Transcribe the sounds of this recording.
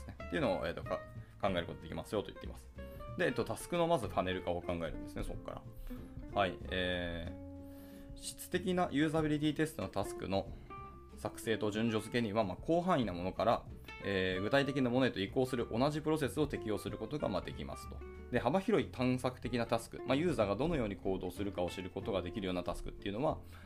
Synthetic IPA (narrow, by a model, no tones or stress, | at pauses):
snet̪ːeiɯ̟noo̰ʔe̞̰ːt̪ːo̞kakãŋɡae̞ɾɯ̟ko̞t̪od̪e̞kʲḭmasɨjo̞t̪o̞i̥̰t̪ːeimasɨ̥d̪e̞ːt̪ːot̪asɨ̥kɯ̟no̞mazɨpane̞ɾɯ̟kaokãŋɡae̞ɾɯ̟̃nd̪esɨne̞so̞̰kːa̰ɾa̰haieː | ɕi̥t͡sɨ̥t̪e̞kʲinajʔɨ̟ːzabʲiɾʲit̪ʲiːt̪e̞sɨ̥t̪o̞not̪asɨ̥kɯ̰no̞ | sakɯ̟̥se̞ːt̪o̞ʑɨ̃ɲ̟d͡ʑo̞zɨke̞ɲ̟iβamakʰo̞ːɦãɰ̃inamo̞no̞kaɾa | eːɡɯ̟t̪ait̪e̞kʲinamo̞noet̪o̞iko̞ːsɨɾɯ̟ʔo̞naʑipɯ̟ɾo̞s̬e̞sɨo̞t̪e̞kʲijo̞ːsɨɾɯ̟ko̞t̪o̞ɡa̰mad̪e̞kʲima̰sɨ̥t̪o̞̥ | d̪e̞ɦabaçiɾo̞it̪ʰãɰ̃sakɯ̟t̪e̞kʲinat̪asɨ̥kɯ̟majɯ̟ːzaɡad̪o̞no̞jo̞ːɲ̟ikʰo̞ːd̪o̞ːsɨɾɯ̟kao̞ɕiɾɯ̟ko̞t̪o̞ɡad̪e̞kʲiɾɯjoːnat̪asɨ̥kɯ̟̥t̪ːe̞iɯ̟no̞βa